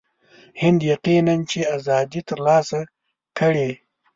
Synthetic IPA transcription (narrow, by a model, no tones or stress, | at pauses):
hɪnd̪jaqinant͡ʃeazɑd̪it̪əɾlɑsa | kəɽe